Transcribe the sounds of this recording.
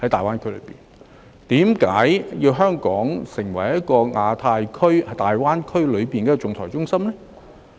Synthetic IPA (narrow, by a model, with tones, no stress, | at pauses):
hɐ˨˥t̪aː˨jwaː˥nkʰɵ˥jl̰pḭː˨˩n | t̪iː˨˥mkaː˨˥jjiː˧wɦœː˥ŋkɔː˨˥ŋsɪ˨˩ŋwɐ˨˩jjɐ˥t̚kɔː˧ŋaː˧t̪ʰaː˧jkʰɵ˥ɥhɐ˨˥t̪aː˨jwaː˥nkʰɵ˥ɥlɵ˨˧ɥpiː˨nkɛː˧t͡sʊ˨ŋt̪ʰɔː˨˩t͡sʊ˥ŋsɐ˥mlɛ˥